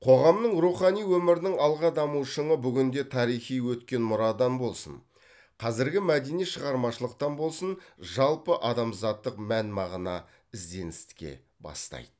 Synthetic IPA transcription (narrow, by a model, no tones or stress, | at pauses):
qʰo̞ʁɑmnəɴɾuχɑnijwɵmɪɾɪnɪŋɑlˠʁɑd̪ɑmuʃəɴəbʏɡʲɪnd̪e̞t̪ʰɑɾijχijwɵt̪kʲe̞nmʊɾɑd̪ɑnbo̞lˠsə̰n | qʰɑzɪɾɡʲɪmæd̪e̞nijʃəʁɑɾmɑʃəlˠəq̚t̪ɑnbo̞lˠsənʒɑlˠpəʔɑd̪ɑmzɑt̪ːəqmænmɑʁənɑ̰ | ɪzd̪e̞nɪst̪ɪ̥kʲe̞̰ | bɑ̰st̪ɑ̰jd̪̥ə